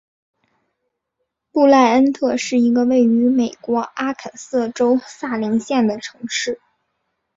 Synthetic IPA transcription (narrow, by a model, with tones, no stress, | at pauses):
pu˥˧la˥˧ɪə˥nt̪ʰɤ˥˧ʂɻ̩˥˩i˧˥ɡə˧we˥˩ɪy˧˥me˨˩ɪkwɔ˧˥ʔa˥kʰə˨˩nsɤ˥˩ʈ͡ʂo˥ʊsa˥˩li˧˥ŋɕjɛ˥˩nd̪ə˩ʈ͡ʂʰɤ̥˧˥ŋʂɻ̩˥˩